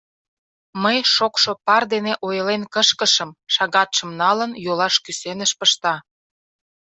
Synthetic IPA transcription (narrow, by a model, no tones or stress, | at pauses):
məjʃokʃopɑrd̪eneʔojəlenkəʃkəʃəmʃɑɣɑt̪ʃə̆mnɑlənjolɑʃkysenəʃpəʃt̪ɑ